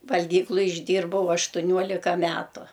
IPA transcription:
ʋɐlʲˈɡʲiːklˠʊj ɪʒʲˈdʲiːrbɐʊ ɐʃtʊˈnʲuɔlʲɪkɐ ˈmʲæːtʊ

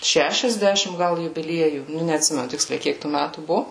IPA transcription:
ʃʲɛʃʲɛzʲˈdʲæːʃʲɪm ˈɡɐlˠ jʊbʲɪˈlʲiɛjuː ˈnʊ nʲɛɐtʲˈsʲɪmʲɛnʊ ˈtʲɪksʲlʲɛɪ ˈkʲiɛk tuː ˈmʲætuː ˈbʊʋoː

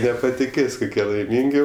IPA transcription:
nʲɛpɐtʲɪˈkʲeːsʲ kʊˈkʲiɛ lˠɐɪˈmʲiːŋʲɡʲɪ

